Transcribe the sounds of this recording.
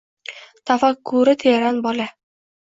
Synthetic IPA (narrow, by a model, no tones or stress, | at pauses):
t̪ʰafakʰːʊɾɪt̪ʰeɾanbɒla